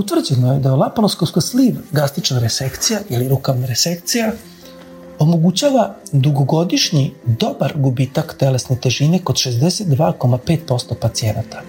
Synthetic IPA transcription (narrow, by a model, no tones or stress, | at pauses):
ut̪vr̩d͡ʑenoje̞d̪aolˠapaloskoskosliːʋɡast̪it͡ʃnaɾesekt̪sijaʔiliɾukaʋnaɾesek̚t̪sija | o̞mo̞ɡut͡ɕaːʋad̪uɡoɡo̞d̪iʃɲid̪o̞baɾɡubit̪akt̪elesne̞t̪e̞ʒine̞ko̞d̪ʃe̞zd̪eset̪̚d̪ʋaːko̞mape̞ːt̪̚po̞st̪opat̪sie̞nat̪ḁ